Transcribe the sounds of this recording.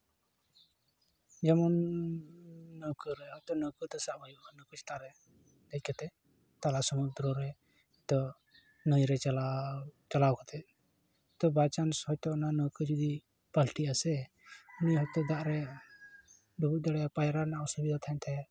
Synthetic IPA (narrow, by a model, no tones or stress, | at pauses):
d͡ʒamɔn | əwkəɾɛɦɔjt̪ɔnəwkət̪ɔsaʔbajuʔnəkɔt͡ʃʰt̪aɾɛ | d̪ɛc̚kat̪ɛ | t̪alasɔmud̪ɾɔɾɛ | hɔt̪ɔ | nəjɾɛt͡ʃaat͡ʃalawkat̪ʰɛ | t̪ɔbat͡ʃanshɔjt̪ɔʔnanəkəd͡ʒud̪i | palʈiasɛ | unijɦɔjt̪ɔd̪aʔɾɛ | ɖubud̪aɽɛapajɾanaʔɔsubid̪at̪ʰant̪ʰɛ